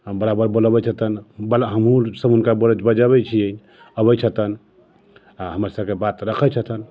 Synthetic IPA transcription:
bəɾabəɾboləbɛt͡ʃʰət̪ənbəlɦəmɦũsəbunkabəɾəd͡ʒbəd͡ʒəbɛt͡ʃʰiə | əbət͡ʃʰət̪ən | aɦəməɾsəbkebat̪ɾəkʰət͡ʃʰət̪ʰən

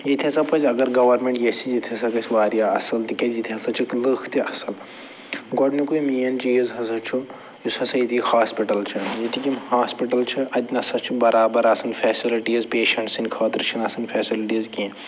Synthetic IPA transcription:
jit̪ʰiɐ̃sɐpɐd͡ʒɐɡɐɾɡɐʋɐɾmeɳʈjesid͡ʒit̪ʰɐsɐkɐsiʋaːɾijaɐ̰sɐlt̪ikɐjit̪ʰiɐsɐt͡ʃʰiklɨxʰt̪iʔɐsɐl | ɡɔɖnikuimiːɐnd͡ʒiːzɦɐsɐt͡ʃʰu | jisɐsɐjit̪ʰikikhaːspiʈɐlt͡ʃʰɐjit̪ʰikʲimhaːspiʈɐlt͡ʃʰiʔɐd̪ʲnɐsɐt͡ʃʰibɐɾaːbɐɾɐsɐnʲfʰɛːsiliʈizpeːʃɐɳʈsinʲkʰaːt̪ɾt͡ʃʰɐnɐsɐnʲfʰɛːsilʈizkinʲ

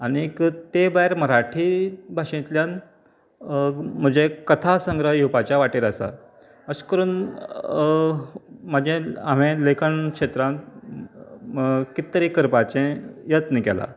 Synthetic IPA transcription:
aɽ̃ikt̪ebajɾməɾaʈʰiːbʱaʂẽt̪ljan | m̤əd͡ʑekət̪ʰasəŋɡɾəjupat͡ɕjaʋaʈeɾəsa̰ | əskəɾuːn | məd͡ʑẽam̤ẽlekʰəɳkʂet̪ɾãn | kit̪ːɾiːkəɾpat͡ɕẽjət̪nikɛ̰la̰

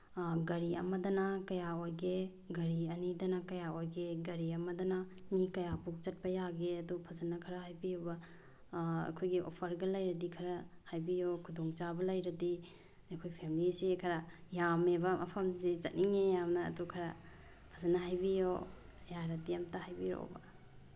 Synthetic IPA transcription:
ɡɐɾiɐ̰mɐdɐnɐkɐjaojɡe | ɡɐɾiɐnidɐnɐkɐjaojɡeɡɐɾiɐmɐdɐnɐmikɐjapuk̚t͡ʃɐt̚pɐjaɡeɐdupʰɐzɐnːɐkʰɐɾɐɦajbijobɐ | ɐ̰kʰojɡiʔo̰pʰɐɾɡɐlɐjɾɐdikʰɐɾɐ | hajbijokʰudoŋt͡ʃabɐlɐjɾɐdi | ɐkʰojpʰemilisikʰɐɾɐjamebɐmʔɐpʰɐmsit͡ʃɐt̚niŋejamnɐ̰ːdukʰɐɾɐ | pʰɐzɐnːɐɦajbijo | jaɾɐdiamtɐhajbijɾo̰bɐ̰

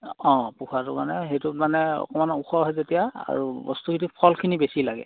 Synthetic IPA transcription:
ɔ̃puxʰatʊkanɛɦejtumanɛɔ̰kɔmanuxʰɔɦɔjzetijaa̰ɹubɔstukʰitipʰɔlkʰinibesilaɡɛ̰

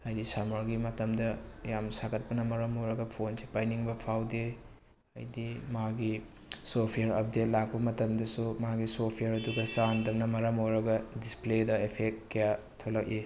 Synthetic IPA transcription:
ɐjdisamaɾɡimɐtɐmdɐjamsaɡɐt̚pɐnɐmɐɾɐmoɾɐɡɐpʰonsipajniŋbɐpʰawde | ɐ̰jdimaɡi | sopʰijaɾɐp̚det̚lak̚pɐmɐtɐmdɐsumaɡisopʰijaɾɐduɡɐsandɐmnɐmɐɾɐmojɾɐɡɐdispledɐepʰekkːɐja | tʰolɐk̚i

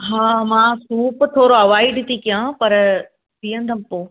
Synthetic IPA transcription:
ɦaːmãːsuːpt̪ʰoːɾoɐʋaːɪɖt̪ʰikijãpɐɾ | t̪iːə̃nd̪ʱɐmpoː

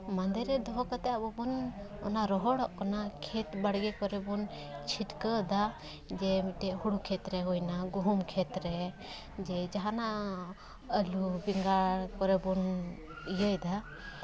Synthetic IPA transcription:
mand̪ɛɾɛd̪ɔɦɔkat̪ɛjabɔbɔnɔ̰naɾɔɦɔɽɔʔkanakʰɛt̪baɽɡɛkɔɾɛbɔn | t͡ʃʰiʈkəd̪a | d͡ʒɛmiʈɛʔhuɽukʰɛt̪ɾɛɦujnaɡuɦumkʰɛt̪ɾɛ | d͡ʒɛd͡ʒaɦana | əlubiŋɡaɽkɔɾɛbɔn | ijəjd̪a

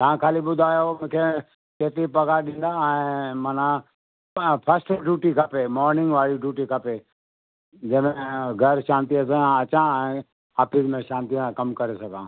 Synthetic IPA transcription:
t̪aːãkʰaːliɓʊd̪ʱaːjaomʊ̃ːkʰe | keːt̪ɾipɐɡaɗĩːnd̪aɛ̃ːmɐnã | pʰɐsʈɖjuːʈikʰɐpemɔːɾnɪ̃ŋɡʋaːɽiɖjuːʈikʰɐpe | d͡ʑɐ̃ɪ̃m̤ẽɡʱɐɾʃãːnt̪iɐs̬ẽɐt͡ɕãɛ̃ː | aːfismẽʃãːnt̪isãkɐmkɐɾesɐɡʱãː

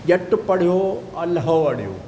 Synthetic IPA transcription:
jɐʈpɐɽ̤ijoɐlɦɐʋɐɽ̤jo̰ː

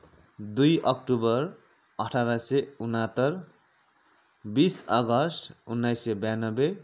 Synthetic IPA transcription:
d̪ujʔʌkʈubʌr | ʌʈʰaɾaseunat̪ʌr | bisʌɡʌsʈʰunːajsebjanʌbe

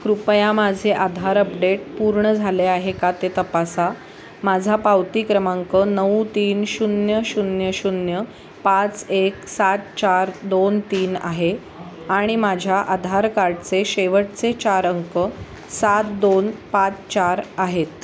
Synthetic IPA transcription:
kɾupəjamad͡zʱeʔad̪ʱaɾəpɖeʈpuɾɳəd͡zʱaleaɦekat̪et̪əpasa | mad͡zʱapawt̪ikɾəmãŋkənəʋut̪iːnɕunjəɕunjəɕunjə | pat͡seksat̪̚t͡ɕaɾd̪ont̪iːna̰ɦe | aɽ̃imad͡ʑʱjaʔad̪ʱaɾkaɾɖt͡seɕeʋəʈt͡set͡ɕaɾəŋkə | sat̪̚d̪onpat͡st͡ɕaɾaɦet̪

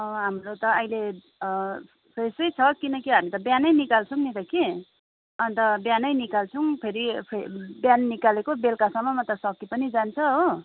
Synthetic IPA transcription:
ɦamrot̪ʌʌjle | pʰesʌjt͡sʰʌkinʌkiɦamit̪ʌbjanʌjnikalt͡sʰuŋnit̪ʌki | ʌnt̪ʌbjanʌjnikalt͡sʰũpʰeɾipʰebjanːikalekobelkasʌmːʌmʌt̪ʌsʌkːipʌnid͡zant͡sʰʌɦo

